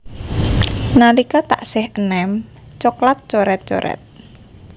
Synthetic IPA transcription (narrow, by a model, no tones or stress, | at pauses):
nalikɔt̪a̰ʔsɪhənɛm | t͡ʃoklat̪̚t͡ʃoɾɛt̪̚t͡ʃo̰ɾɛ̰t̪̚